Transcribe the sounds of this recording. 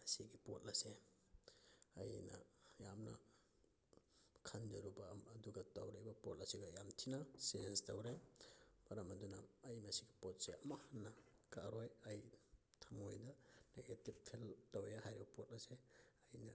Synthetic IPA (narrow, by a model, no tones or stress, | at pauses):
ɐsiɡipot̚lɐse | ɐjnɐ̰jamnɐ̰ | kʰandɐɾubɐːduɡɐtɐwɾejbɐpot̚lɐsiɡɐjamtʰinɐseenstɐwɾem̥ɐɾɐmɐdunɐːjmɐsiɡipot̚seɐmɐhanːɐkaɾojɐjtʰɐmojdɐneɡetip̚tʰeltɐwjahajɾbɐpot̚lɐseɐjnɐ